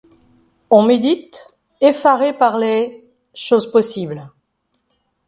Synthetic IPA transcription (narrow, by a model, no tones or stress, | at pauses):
ɔ̃med̪it̪ | efaʁepaʁle | ʃozpɔsibl